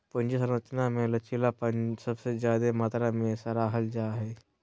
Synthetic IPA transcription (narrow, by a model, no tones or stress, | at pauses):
pʊnd͡ʒes̬əɾʋət͡ʃnamẽlət͡ʃʰilapəsəbsezjaːd̪emaːt̪ɾamẽsaɾaɦɐld͡ʒaːɦɛː